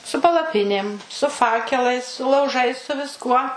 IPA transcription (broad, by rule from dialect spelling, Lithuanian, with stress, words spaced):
sʊ pɐlˠɐˈpʲɪnʲeːm sʊ ˈfɑːkʲɛlˠɐɪs sʊ lˠɐʊˈʒɐɪs sʊ ʋʲɪsˈkuɔ